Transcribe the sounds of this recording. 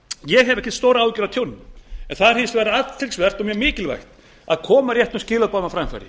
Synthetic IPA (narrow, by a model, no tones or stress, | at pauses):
jɛɦɛvɛhçcɪ̥t̪st̪oːwɾaawcʏɾat̪ʰownːʏɛnθaðɾhɪnst̪vɛːɾaat̪lt̪ʰɪlsvɛr̥t̪ɔmjœmɪːcɪlva̰jxt̪ | a̰ðkʰɔːmaɾjɛht̪ʏscɪːlœðpawmafɾajmfa̰jɾɪ